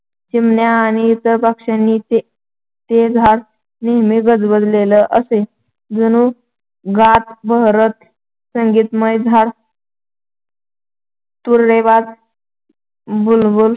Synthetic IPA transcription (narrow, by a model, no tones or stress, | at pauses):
t͡ɕimnjaːñiːt̪əɾpakʂanːie | t̪ed͡zʱaɽ | neɦmiɡəd͡zbəd̪leləʔəse | d͡zənu | ɡat̪bəɦɾət̪ | səŋɡiːt̪məjd͡zʱaɽ | t̪uɾɾebad̪ | bulbul